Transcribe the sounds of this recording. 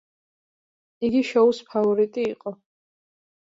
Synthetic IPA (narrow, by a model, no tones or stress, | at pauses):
iɡiʃɔuspʰavɔɾit̪ʼiːqʼɔ